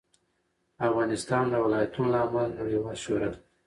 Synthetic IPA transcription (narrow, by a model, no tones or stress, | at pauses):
afɣɑnɪst̪ɑnd̪əwɪlɑjat̪unlɑmalajawɑʃoɾəl